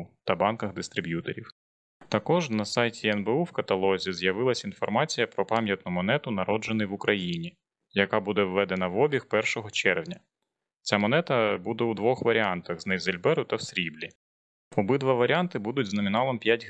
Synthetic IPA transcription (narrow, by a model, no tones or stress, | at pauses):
t̪ɐbɑnkɐɣd̪ɪst̪ɾɪbʲjut̪ḛɾʲiw | t̪ɐkɔʒnɐsɑjtʲiɛnbeuwkɐt̪ɐlˠɔzʲizʲjɐʋɪlˠɐsʲin̪fɔrmɑt͡sʲijɐpɾɔpɑmʲjɐt̪nɔmɔnɛt̪ʊnɐɾɔd͡ʒenɨjʋʊkɾʔɐjinʲi | jɐkɑbud̪ɛwːɛd̪enɐʋɔbʲixpɛrʃɔɦɔt͡ʃɛrʋnʲɐ | t͡sʲamɔnɛt̪ɐbud̪ɛud̪ʋɔxʋɐɾʲɪɑnt̪ɐɣznɛjzɐlʲbɛɾʊt̪ɐwsʲɾʲiblʲi | ɔbɪd̪ʋɑʋɐɾʲɪɑnt̪ɪbud̪ʊtʲznɔmʲɪnɑlˠɐmpʲjatʲ